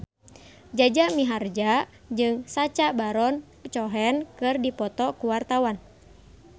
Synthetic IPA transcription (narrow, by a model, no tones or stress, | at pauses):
d͡ʒad͡ʒamiɦard͡ʒa | d͡ʒɨŋsat͡ʃabaɾɔn | t͡ʃɔɦɛnkɨrdipɔt̪ɔkuwart̪awan